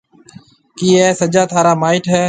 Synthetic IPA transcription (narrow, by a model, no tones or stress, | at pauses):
kiːɛːsəd͡ʒaːt̪ʰaːɾaːmaːɪʈɦɛː